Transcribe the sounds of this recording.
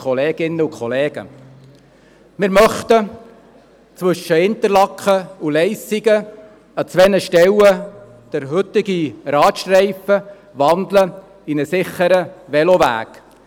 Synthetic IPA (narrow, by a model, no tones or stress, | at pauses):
kχɔleːɡ̥ɪnːəukχɔleːɡ̥ə̰ | mɪɾmœχt̪ə | t͡sʋɵʃːəhɪnt̪əɾlɑkχəulɛɪsiɡə | ɑt͡sʋɛnəʃtɛwə | d̪̥əɾɦɵt̪ɪɡiɾɑːt̪ʃtrɛɪfə | ʋɑnd̪lə | inəsɪχːəɾəʋɛlɔʋæ̰ːk